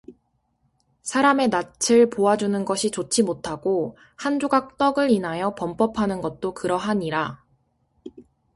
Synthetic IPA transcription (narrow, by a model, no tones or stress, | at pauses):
sʰaɾame̞nat͡ɕʰɯɭpoad͡ʑunɯnɡʌɕʰit͡ɕot͡ɕʰimotʰaɡ̥o | hand͡ʑoɡak̚t͈ʌɡɯɾinɦajʌpʌmp͈ʌpʰanɯnɡʌt̚t͈okɯɾʌɦaɲiɾa